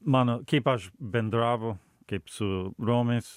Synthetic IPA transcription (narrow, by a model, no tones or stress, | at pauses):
manokipaʃbɛnd̪ɾavo | kepsuɾomis